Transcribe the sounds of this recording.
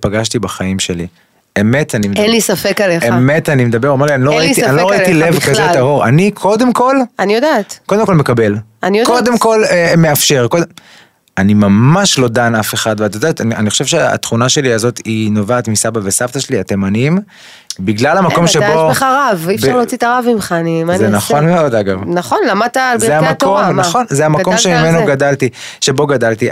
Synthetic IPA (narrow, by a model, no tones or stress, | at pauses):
paɡaʃtibaχaimʃe̞li | eme̞t̪animenlisafekaleemme̞t̪animed̪ɐbe̞ʁomeʁlianloait̪ianloʁaitilevazetaɦo̞ʁa̰nikʰo̞d̪e̞mko̞lanijodat̪ko̞demko̞lmekabe̞lanijod̪kode̞mko̞lemeafʃe̞ʁkode | animamaʃlo̞d̪anafe̞χad̪veat̪jod̪aːt̪anianiχoʃe̞vʃea̰t̪χunaʃe̞liazo̞t̪inovaːt̪misabavesaft̪aʃeliat̪e̞manim | biɡlalamakomʃeboeχaʁavifʃbʁlot͡sit̪aʁavimχanizenaχo̞nmeo̞d̪aɡavnaχonlamat̪azeammakomnaχo̞nzeamako̞mʃemimenoɡadalt̪iʃe̞bo̞ɡad̪alt̪i